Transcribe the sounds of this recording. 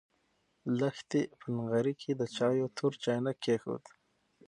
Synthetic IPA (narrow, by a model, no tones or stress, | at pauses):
laxt̪ipʰənɣaɾikʰid̪ət͡ʃɑːjot̪ʰuɾt͡ʃɑjnakʰːexṵt̪